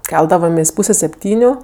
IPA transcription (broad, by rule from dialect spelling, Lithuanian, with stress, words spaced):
ˈkʲɛlˠdɐʋoːmʲeːsʲ ˈpuːsʲɛ sʲɛpʲˈtʲiːnʲʊ